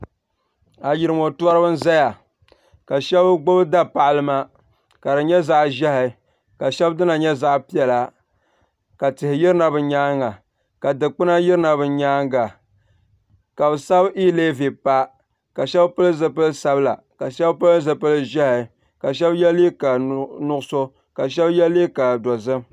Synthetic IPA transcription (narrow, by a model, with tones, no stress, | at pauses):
a˨jɪ˨ɾɨ˨mo˨tu˦a˦ɾɨ˦bɨ˦n˦za˦ja˨ | ka˨ʃɛ˦bɡ͡bo˦bɨ˦da˦pa˨ʔlɨ˦ma˦ | ka˨dɨ˨ɲɛ˦za˨ʔʒɛ˦hɪ˨ | ka˨ʃɛ˦bdɨ˦na˨ɲɛ˦za˦ʔpi˦ɛ˨la˨ | ka˨tɪ˨hɪ˨jɪ˦ɾɨ˦na˨bɨ˨ɲaː˦ŋːa˨ | ka˨dɨ˨k͡pɨ˦na˦jɪ˦ɾɨ˦na˨bɨ˨ɲaː˦ŋɡa˨ | ka˨bɨ˨sa˦bi˦le˦vi˨pa˦ | ka˨ʃɛ˦bpɨ˦lɨ˦zɨ˦pɨ˦lɨ˦sa˦bla˨ | ka˨ʃɛ˦bpɨ˦lɨ˦zɨ˨pɨ˦lɨ˦ʒɛ˦ha˨ | ka˨ʃ̬ɛ˦bjɛ˦li˦ka˨nʊ˦ɡʊ˦so˦ | ka˨ʃ̬ɛ˦bjɛ˦lːi˦ka˨dɔ˨zɨ˦m